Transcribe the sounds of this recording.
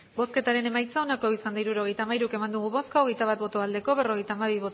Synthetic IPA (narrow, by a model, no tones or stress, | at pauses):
bo̞ske̞t̪aɾe̞ne̞majt͡sao̞nako̞isand̪aiɾuɾo̞ɣe̞jt̪aːmaiɾuke̞mand̪uɣ̞uβo̞skaoɣe̞jt̪aβ̞at̪̚bo̞t̪oald̪e̞ko̞e̞ro̞ɣ̞e̞jt̪aːmaβ̞iβo̞t̪